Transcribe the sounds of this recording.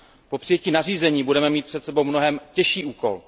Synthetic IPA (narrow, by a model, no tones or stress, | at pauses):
po̞pr̝̥ɪjɛciːnar̝iːzɛɲiːbudɛmɛmiːt̪̚pr̥ɛt̪sɛbo̞wmnoɦɛmcɛʃiːʔuːko̞̰l